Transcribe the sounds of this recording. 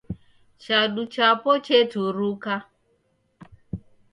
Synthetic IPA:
t͡ʃadut͡ʃapot͡ʃetuɾuka

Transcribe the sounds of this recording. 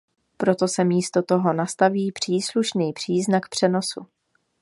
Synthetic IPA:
pɾo̞t̪o̞sɛmiːst̪o̞t̪o̞ɦo̞nast̪aviːpr̝̥iːsluʃniːpr̥iːznakpr̝̥ɛno̞sṵ

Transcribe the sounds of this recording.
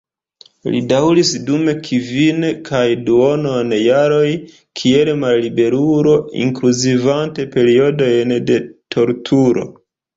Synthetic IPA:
lḭdawɾisdume̞kʰivinkʰajduo̞no̞njaɾo̞j | kʰie̞lmalːibe̞ɾuɾo̞ḭŋkluzivante̞pe̞ɾio̞do̞jnde̞tʰo̞ɾtʰuɾo̞̰

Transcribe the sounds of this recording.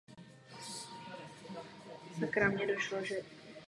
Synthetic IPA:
zakɾamɲɛdoʃloʒɛ

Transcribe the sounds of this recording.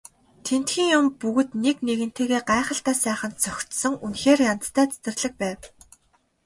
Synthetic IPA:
t̪ʰen̥t̪xiːŋjʊmpuɣɵ̆t̪nekneɣɘ̆n̥t̪ʰeːɣeːɢaɛχə̆ɬt̪æːsæːχə̆nt̪̚t͡sœxʲt̪sɞ̆ŋunxeːrjant̪t̪ʰæːt͡sɵ̥t̪ɘ̆rɮɘ̆k̚pæːw

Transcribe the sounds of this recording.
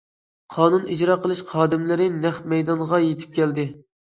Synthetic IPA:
qʰɑːnunid͡ʒɾɑːqʰəlˠɨʃqʰɑːd̪ɪmlɪɾɪnɛχmɛjd̪ɑnʁɑjet̪ʰɪ̥p̚kʲɛld̪ɪ

